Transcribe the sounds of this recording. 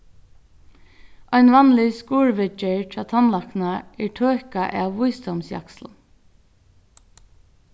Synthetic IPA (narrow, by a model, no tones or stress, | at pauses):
ʔɔjnʋɑnlɪskuːɹʋɪt͡ʃɪɹtʰɾɑːt̪ʰanlaknaɛɹʈʰøːkaʔæ̰ʋːujsd̪ɔmsjɑ̰ksln